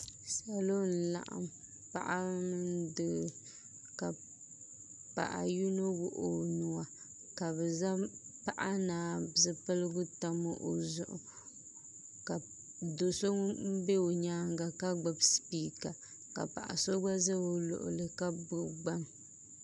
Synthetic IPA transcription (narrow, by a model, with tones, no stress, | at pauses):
sa˨lo˦n̩˨la̰˨ʔa̰˨m | pa̰˨ʔa˦n˦dɨ˨ | ka˨ | pa̰˨ʔa̰˨ju˦no˦wʊ˨ʔo˨nʊ˨wa˨ | ka˨bɛ˨za˦pa˦ʔa˦naː˨bzɨ˨pɨ˦lɨ˦ɡʊ˦ta˦mo˦ʔo˨zʊ˨ʔʊ̰˨ | ka˨ | do˨so˦m̩˦be˦o˨ɲaː˦ŋɡa˨ka˦ɡ͡bɨ˨bspiː˦ka˨ | ka̰˨pa̰˨ʔa̰˨so˦ɡa˦za˦o˨lʊ̰˨ʔʊ̰˨lɨ˨ka˦bʊ˦ɡ͡ba˦ŋ